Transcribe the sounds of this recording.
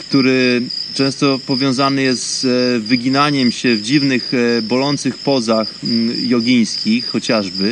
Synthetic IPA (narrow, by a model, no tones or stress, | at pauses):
kt̪uɾɘt͡ʂɛ̃w̃st̪ɔpɔvʲjɔ̃w̃zanɘjɛst̪zvɘɡʲinaɲɛmɕɛvd͡ʑivnɘxbɔlɔnt̪sɘxpɔzaxjɔɡʲij̃skʲixːɔt͡ɕaʐbɘ